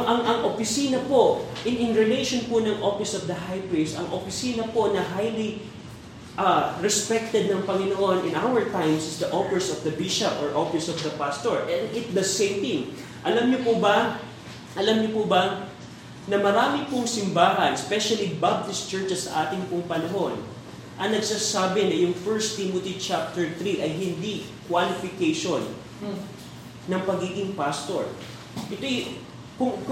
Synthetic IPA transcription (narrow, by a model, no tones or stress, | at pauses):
ʔɐŋʔɐŋʔopɪsiːnɐpo̞ʔʔɪnɪnɹɪlejʃonpʊnɐŋʔofɪsɔvd̪ɐɦajpɹisɐ̰ŋʔopɪsiːnɐpo̞nɐɦajli | ʔɐɹɛspɛk̚t̪ɛd̪̚nɐŋpɐŋɪnoʔo̞nʔɪ̃nʔawɛɹt̪ãjmsɪsd̪ɐʔofɪɹsɔfd̪ɐbiʃɐpɔɹʔofɪsɔfd̪ɐpast̪oɹʔɛnd̪ɪt̪̚d̪ɐsẽjmt̪ɪ̃ŋ | ʔɐlamɲopʊbɐ | ʔɐlamɲopʊbɐ | nɐmɐɾaːmɪpʊŋsɪmbaːɦɐnspɛʃɐlibab̚t̪ɪst̪t͡ʃɛɹt͡ʃɛsːɐ̰ʔaːt̪ɪŋpʊŋpɐnɐɦo̞n | ʔɐŋnɐɡsaːsaːbɛnɐjʊŋfɛɹst̪imot̪it͡ʃap̚t̪ɛɹt̪ɾiʔɐjɦɪnd̪ikwalɪfɪkejʃon | ɐŋpɐɡiːɡɪŋpast̪o̰ɹ | ʔɛt̪oj | kʊ